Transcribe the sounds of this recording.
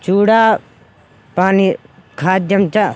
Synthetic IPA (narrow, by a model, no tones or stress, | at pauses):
t͡ʃuːɽaː | paːnikʰaːd̪jɐmt͡ʃa